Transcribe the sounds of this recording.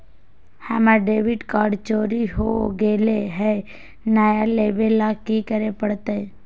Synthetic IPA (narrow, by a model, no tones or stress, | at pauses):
həmaɖeːʋɪʈkaːɖt͡ʃoːɾiɦoɡeːleɦɛ | naːjaleːbelːakikəɾepəɽt̪eɛ